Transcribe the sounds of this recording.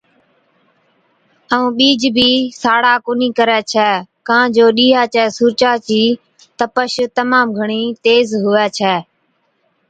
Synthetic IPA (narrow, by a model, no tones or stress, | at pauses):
əũːɓiːd͡ʒbʱiːsaːɽaːkʊniːkəɾɛːt͡ʃʰɛːkãːd͡ʒoːɗiːɦaːt͡ʃɛːsuːɾt͡ʃaːt͡ʃiː | t̪əpəʃt̪əmaːmɡʱəɳ̃iːt̪eːzɦʊʋɛːt͡ʃʰɛː